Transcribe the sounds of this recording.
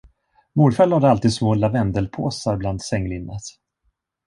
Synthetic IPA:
muːɾfalad̪əalt̪iːd̪smoːlavɛnd̪əlpʰoːsaɾbland̪sɛŋːlɪnːət̪

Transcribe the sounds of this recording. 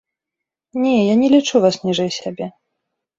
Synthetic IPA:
nʲɛjanʲɛlʲit͡ʂuvasnʲiʐɛjsʲabʲɛ

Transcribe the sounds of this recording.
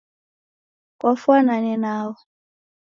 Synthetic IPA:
kʼɔfwananɛnaːwɔ

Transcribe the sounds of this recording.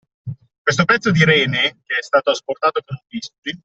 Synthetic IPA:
kwest̪opɛt̪sːod̪iɾɛːnek̟eɛst̪aːt̪oasport̪aːt̪okonuɱviskuli

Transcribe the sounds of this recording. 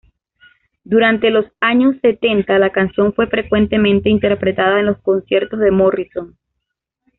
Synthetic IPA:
d̪uɾant̪e̞lo̞saɲo̞sːe̞t̪e̞nt̪alakansjo̞ɱfwe̞fɾe̞kwe̞nt̪e̞mẽnt̪e̞int̪e̞ɾpɾe̞t̪aðaenlo̞sko̞nsje̞ɾt̪o̞zðe̞moriso̞n

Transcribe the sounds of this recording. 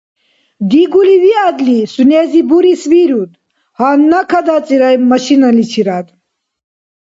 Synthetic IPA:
d̪iɡuliwiad̪lisunɛːzibuɾisviɾud̪ | hanːakʰad̪at͡sʼiɾajmɐʃinalit͡ʃʰiɾad̪

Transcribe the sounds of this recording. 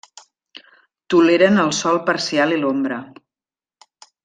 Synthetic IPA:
t̪uleɾənəlˠsɔlˠpəɾsialilombɾə

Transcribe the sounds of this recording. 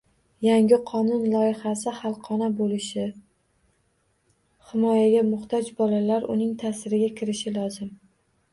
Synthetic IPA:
jaŋʲɪqʰɒnʊnlˠɒɪχasɪhɑlˠqʰɒnabolɪʃɪ | hɪmɒjaɡʲamʊχt̪ʰɒd͡ʒbɒlalaɾʊ̰nɪŋt̪ʰasɪɾɪɡʲakʲʰɪɾɪʃɪlɒzɪm

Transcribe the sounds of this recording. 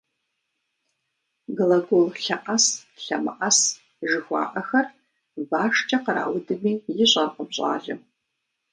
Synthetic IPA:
ɡlɐɡolɬɐʔɐsɬɐmɨ̰ʔɐs | ʒɨxʷa̰ːʔɐxɐr | baːʂt͡ʃʰʼɐqəɾa̰ːwʊdɨmiːjɪɕʼɐrqəbɕʼa̰ːɮɨ

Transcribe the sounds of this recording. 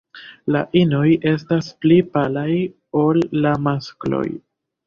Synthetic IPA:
la̰ʔino̞je̞stasplipalaj | o̞lːamasklo̞̰j

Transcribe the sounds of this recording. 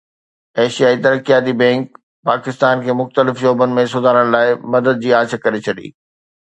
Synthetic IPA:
ɛːʃijaːit̪ɐɾəkijaːt̪ibɛ̃ːŋk | paːkɪst̪aːnkʰeːmʊxt̪əlɪfʃoːbənɪ̆mẽsʊd̪ʱaːɾəɽ̃laːɪmɐd̪əd̪̚d͡ʑiːaːt͡ɕkɐɾet͡ɕʰɐɗḭː

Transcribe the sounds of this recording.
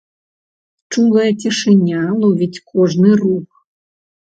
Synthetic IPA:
t͡ʂuɣˠɐjɐt͡sʲiʂɨnʲalˠɔvʲitʲkʰɔʐnɨrux

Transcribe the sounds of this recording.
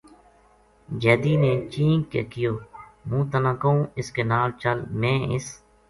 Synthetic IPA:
d͡ʒɛːd̪iːneːt͡ʃiːŋkḛːkɪjoːmũːt̪ənãːkəũːɪskeːnaːlt͡ʃəlmẽːɪ̰s

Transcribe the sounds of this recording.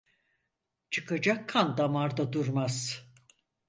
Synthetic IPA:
t͡ʃʰɯkad͡ʒakʰːand̪amaɾd̪ad̪uɾmaz̥

